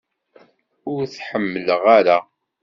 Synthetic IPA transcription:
ʊɾθħəmːələʁaɾa

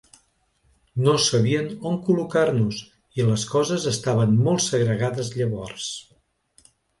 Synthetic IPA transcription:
nosəβiənomkulukarnuz | iləskɔzəzəst̪aβənmolˠsəɣɾəɣaðəzʎəβɔrs

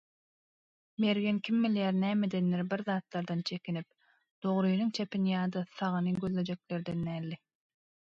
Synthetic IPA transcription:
me̞ɾɣenkʰʲimːiljæːɾnæːmed̪enːeɾbiɾðɑːt̪lˠɑɾd̪ɑnt͡ʃʰe̞kʲinip̚ | d̪̥o̞ʁɾɯjnɯŋt͡ʃʰepinijɑːd̪ɑθɑʁɯnɯɡʲøðle̞d͡ʒe̞kle̞ɾd̪enːæːlːi

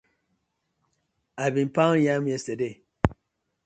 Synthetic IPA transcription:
aɪbĩnpãʊ̃njãmjɛstəde

